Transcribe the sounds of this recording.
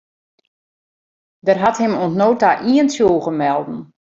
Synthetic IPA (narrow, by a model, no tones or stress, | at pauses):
dərɦathɪmuənsnoːtaʔiənsjuːɣəmɛlˠdn̩